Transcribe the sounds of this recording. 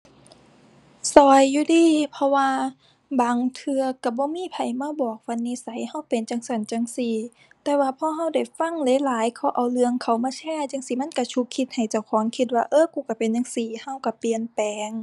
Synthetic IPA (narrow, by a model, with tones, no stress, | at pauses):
sɔː˨˩jːuː˧diː˧˩pʰɔ˧waː˧ | baː˨ŋt̪ʰɯ˧ɐka˧˩bɔː˧˦miː˧˥˨pʰa˨˩jmaː˧˥˨bɔː˨˩k̚fa˧˨nːiː˧˥˨sa˨˦jha˧˩˨wpe˨nt͡ɕa˧˨ŋsa˧˩nt͡ɕa˧ŋsiː˧˩ | t̪ɛː˧waː˧pʰɔː˧˥˨ɦa˧˥˩wda˨˩jfa˧˨ŋlɤː˧˦laː˨˦jkʰɔː˧˩wʔa˨˩wlɯ˧əŋkʰa˨˩wmaː˧˨t͡ɕʰɛː˧˥˨t͡ɕa˧˥˨ŋsiː˧˩ma˧˥˨nka˧˩t͡ɕʰu˧kʰːi˧t̪̚ha˨˩jt͡ɕa˧˩wkʰɔː˨˦ŋkʰi˧t̪̚waː˧ʔɤː˧˥˨kuː˧˩ka˧˩pe˨nɲa˧˨ŋsiː˧˩ha˧˩˨wka˧˩pi˨ənpɛː˨ŋ